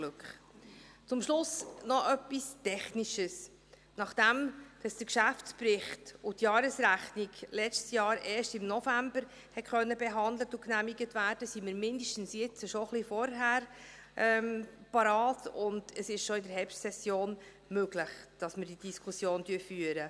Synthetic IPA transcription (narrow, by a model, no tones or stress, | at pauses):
lʉkχ | t͡sʊmʃlʊsnɔʔœpːistɛχniʃəs | nɑχd̥ɛmd̥ɑsd̥əkʃæft͡spɾɪχtʊtjɑːɾəsɾæχniɡlɛt͡stsjɑːɾɛːɾʃtɪmnɔfæmbəɾ | hɛtχœnːəbɛɦɑnd̪lətʊknæmiɡətvæːɾd̥əsiməɾmɪndəʃtn̩sjɪt͡səʃɔχlifɔɾɦæːɾ | ʔɛmpɑɾɑːtʊnd̥əsɪʃʃɔɪdəɾɦɛpʃtsɛsjoːn | møɡləχd̥ɑsməɾd̥id̥iskʰusjoːntyəfyːəɾə